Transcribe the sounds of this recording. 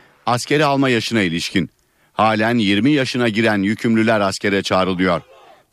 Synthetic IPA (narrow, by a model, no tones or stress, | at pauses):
ascʰe̞ɾialˠmajaʃɯnailʲiʃcʰin | haːlʲænjiɾmijaʃɯnaɟiɾænjycʰymlʲylʲæɾascʰe̞ɾɛt͡ʃʰaːɾɯlˠɯjo̞ɾ̥